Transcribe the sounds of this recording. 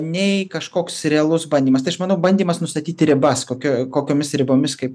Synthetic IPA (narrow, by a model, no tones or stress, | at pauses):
nʲɛɪkɐʃkoːksɾʲɛɐlˠʊsbɐnʲdʲiːmɐst̪ɐɪɐʃmɐnɐʊbɐnʲd̪ʲiːmɐsnʊst̪ɐt̪ʲiːt̪ʲɾʲɪbɐskoːkʲokoːkʲoːmʲɪsɾʲɪboːmʲɪskɐɪp